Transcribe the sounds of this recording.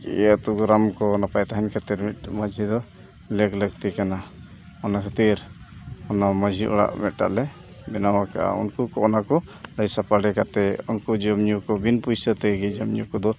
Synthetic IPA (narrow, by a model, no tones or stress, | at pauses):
kɛ̰ət̪uɡɾamkɔnapajt̪aɦɛnkʰət̪iɾmit̪̚məd͡ʒʱid̪ɔ | leɡlək̚t̪ikana | ɔnakʰat̪iɾ | ɔnaməd͡ʒʱiʔɔ̰ɽa̰ʔmɛt̪̚ˀʈa̰ʔlɛ | mɛnawakaʔa̰ṵnkukɔʔɔnakɔləjsapaɽɛkat̪ɛunkud͡ʒəmɲukɔbinpujsət̪ɛɡid͡ʒəmɲukɔd̪ɔ